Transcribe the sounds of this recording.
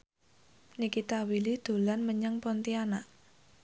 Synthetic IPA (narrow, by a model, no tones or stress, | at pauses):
nikit̪awilid̪̥o̤lanməɲaŋpɔnt̪ianaʔ